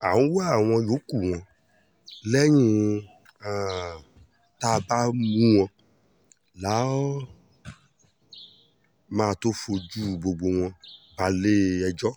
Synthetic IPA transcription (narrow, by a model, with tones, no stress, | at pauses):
a˨wũ˦wa˦˨w̃ɔ̃˧jo˨˦ku˨w̃ɔ̃˨ | lɛ˦ɲũ˦˨ | t̪a˦˨ba˦mũ˦w̃ɔ̃˧ | la˨˦ | mãː˨t̪o˦fo˧d͡ʒu˦bo˨ɡ͡bo˨w̃ɔ̃˧ba˨le˦ɛ˨d͡ʒɔ˦